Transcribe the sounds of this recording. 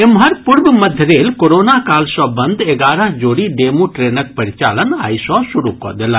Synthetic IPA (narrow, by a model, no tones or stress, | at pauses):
ɪmɦɐɾpuɾbmɐd̪ʱəɾeːlkoɾoːnakaːlsɔ̃ːbɐ̃nd̪ʱeɡaːɾəɦd͡ʒoːɽiɖeːmuʈɾeːnək̚pɐɾɪt͡ʃaːləna̰ːisɔ̃suɾukɔ̰d̪ela